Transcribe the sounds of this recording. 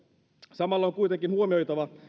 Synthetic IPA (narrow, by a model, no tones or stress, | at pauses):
sɑmɑlːɑoŋkujt̪eŋkinhuomiojt̪ɑʋɑ